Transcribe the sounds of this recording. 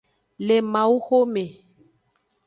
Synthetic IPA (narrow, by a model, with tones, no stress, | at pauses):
le˨ma˨u˦xo˦me˨